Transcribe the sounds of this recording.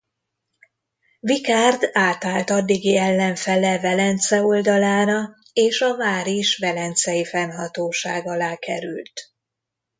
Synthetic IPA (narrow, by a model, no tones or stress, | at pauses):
vikaːrd̪aːt̪aːlt̪ɒd̪ːiɡiɛlːɛɱfɛlɛvɛlɛnt̪sɛo̞ld̪ɒlaːɾɒ | eːʃɒvaːɾiʃvɛlɛnt̪sɛjifɛnhɒt̪oːʃaːɡɒlaːkɛɾy̰lt̪